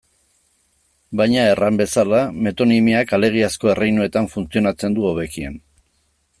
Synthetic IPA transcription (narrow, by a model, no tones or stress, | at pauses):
bajɲae̞rambe̞salame̞t̪o̞nimiakale̞ɣ̞iasko̞e̞rejnue̞t̪aɱfunt͡sio̞nat͡se̞nd̪uoβe̞kiḛn